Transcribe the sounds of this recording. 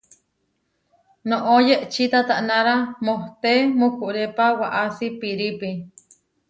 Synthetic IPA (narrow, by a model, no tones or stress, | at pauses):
noʔojeʔt͡ʃit̪at̪aʔnãɾamoht̪emukuʔɾepawaʔasipiɾipi